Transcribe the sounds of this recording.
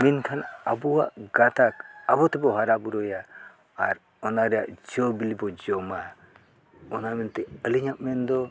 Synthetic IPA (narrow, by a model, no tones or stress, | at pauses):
minkʰanabɔwaʔɡat̪akabɔt̪ɛbɔɦaɾabuɾɔjaː | ɾ | ɔnaɾɛja̰ʔd͡ʒɔbilibɔd͡ʒɔma | ɔnamɛnt̪ɛəliɲaʔ̚mɛnd̪ɔ